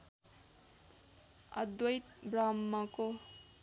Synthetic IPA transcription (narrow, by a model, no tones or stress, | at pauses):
ʌ̰d̪wʌjt̪̚bɾamːako